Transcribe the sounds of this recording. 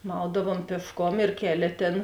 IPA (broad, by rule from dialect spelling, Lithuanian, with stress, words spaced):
ˈmɐʊdɐʋoːm pʲiɛʃˈkoːm ɪr ˈkʲæːˌlʲeː ˈtʲeːn